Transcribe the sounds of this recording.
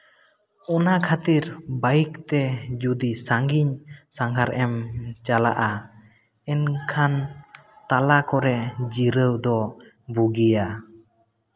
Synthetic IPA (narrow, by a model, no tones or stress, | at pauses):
ɔnakʰat̪iɾbajikt̪ɛd͡ʒud̪isaŋɡiɲsaŋɡaɾʔɛmt͡ʃala̰ʔa | ɛnkʰan | t̪alakɔɾɛd͡ʒiɾəwd̪ɔ | buɡija